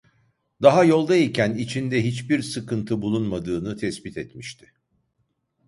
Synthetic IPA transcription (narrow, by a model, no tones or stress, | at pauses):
d̪aɦajo̞lˠd̪aicʰænit͡ʃʰind̪ɛɦit͡ʃbiɾsɯkɯnt̪ʰɯbulˠunmad̪ɯːnɯt̪ʰɛsbit̪ɛt̪miʃt̪ʰɪ̥